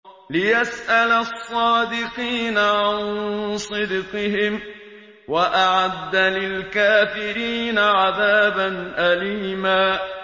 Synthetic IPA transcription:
lɪjasʔalasˤːɑːd̪ɪqiːnaʕansˤɨd̪qɪɦɪm | waʔaʕad̪ːalɪlkaːfɪɾiːnaʕaðaːbanʔaliːmaː

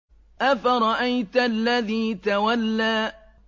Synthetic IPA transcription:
ʔafaɾˤɑʔajt̪lːaðiːt̪awalːaː

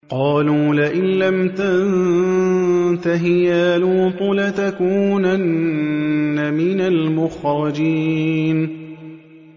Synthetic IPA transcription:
qɑːluːlaʔɪnlamt̪ann | t̪aɦɪjaːluːt̪ˤʊlat̪akuːnanː | amɪnalmʊxɾˤɑd͡ʒiːn

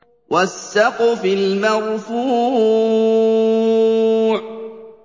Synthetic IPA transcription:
wʔasːɑqʊfɪlmarˤfu | ʕ

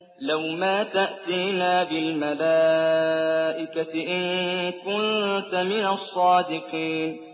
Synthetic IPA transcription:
lawmaːt̪aʔt̪iːnaːbɪlmalaː | ʔɪkaɪʔɪŋkʊnt̪amɪnasˤːɑːd̪ɪqiːn

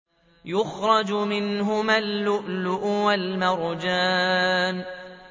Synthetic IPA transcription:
jʊxɾˤɑd͡ʒmɪnɦʊmalːʊʔlʊʔʊwalmɑɾˤd͡ʒaːn

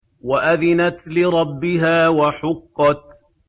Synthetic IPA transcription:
waʔaðɪnat̪lɪɾˤɑbːɪɦaːwaħʊqːɑt̪̚

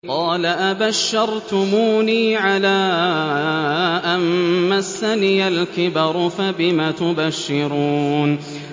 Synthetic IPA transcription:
qɑːlaʔabaʃːɑɾˤt̪ʊmuːniːʕalaː | ʔamːasːaniːalkɪbɑɾˤʊfabɪmaːt̪ʊbaʃːɪɾuːn

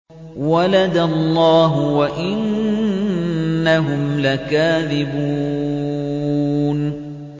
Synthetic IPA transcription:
walad̪alˤːɑːɦʊwaʔɪn | aɦʊmlakaːðɪbuː | n

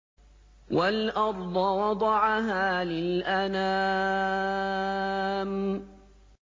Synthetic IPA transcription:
walʔɑɾˤd̪ˤɑwɑd̪ˤɑʕaɦaːlɪlʔana | m

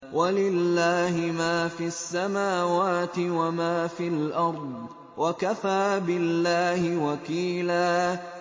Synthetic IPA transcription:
walɪlːaːhɪmaːfiasːamaːwaːt̪ɪwamaːfilʔɑɾˤd̪ˤ | wʔakafaːbɪlːaːhɪwakiːlaː

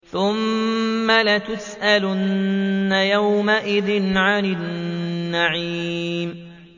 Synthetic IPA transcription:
θʊmː | alat̪ʊsʔalnːajawmaʔɪðɪnʕanɪnːaʕiːm

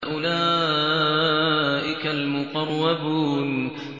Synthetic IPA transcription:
ʔʊlaː | ʔɪkalmʊqɑrˤːɑbuːn

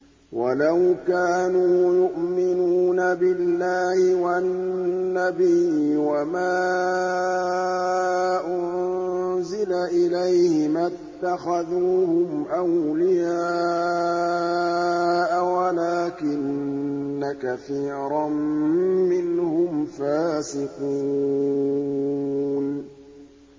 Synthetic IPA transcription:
wʔalawkaːnuːjʊʔmɪnuːnabɪlːaːhɪwaː | abijwamaː | ʔʊnzɪlaʔɪlajhɪmat̪ːaxaðuːhʊmʔawlɪjaː | ʔawalaːkɪnː | akaθiːɾˤammɪnhʊmfaːsɪquː | n

